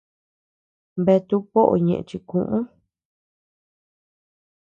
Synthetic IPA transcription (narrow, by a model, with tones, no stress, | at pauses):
be˧t̪u˧po˦ʔo̰˨ɲẽ˨ʔḛ̃˧t͡ʃi˧kũ˧ʔũ˦